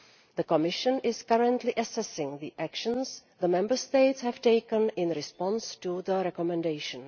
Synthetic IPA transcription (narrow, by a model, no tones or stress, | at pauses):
ðəkɔmɪʃə̃nɪskaɹə̃ntliʔəsɛsɪ̃ŋðiʔækʃə̃nsðəmɛ̃mbə˞steɪtshɛv̥teɪkə̃nɪ̃nɾɪspɔ̃nstuðəɾɛkɔmɛ̃ndeɪʃə̃n